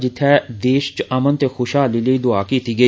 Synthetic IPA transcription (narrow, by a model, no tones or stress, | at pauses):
d͡ʒɪt̪ʰːɛd̪eːʃt͡ʃɐmənt̪exoːʃɦaːliləiːd̪ʊaːkit̪ʰiɡə